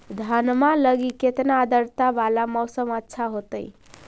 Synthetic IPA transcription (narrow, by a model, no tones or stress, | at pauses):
d̪ʱənmaləɡiket̪naːd̪əɾt̪abalamɔwsəmətːʃʰaɦot̪əɪ